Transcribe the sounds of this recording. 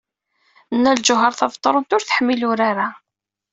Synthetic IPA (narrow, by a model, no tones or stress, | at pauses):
nːæld͡ʒʊɦəɾˤθɑvt̪ˤːɾˤənt̪ʊɾθə̥ħəmːilʊɾaɾa